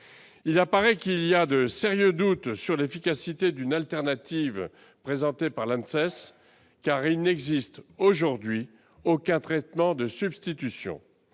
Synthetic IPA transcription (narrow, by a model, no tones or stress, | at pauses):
ilapaʁɛkiliad̪əseʁjød̪ut̪syʁlefikasit̪ed̪ynalt̪ɛʁnat̪iv | pχezɑ̃t̪epaʁlãnsɛs | kaʁilnɛɡzist̪oʒuʁd̪ɥi | okʲɛ̃t̪χɛt̪mɑ̃d̪əsybst̪it̪ysjɔ̰̃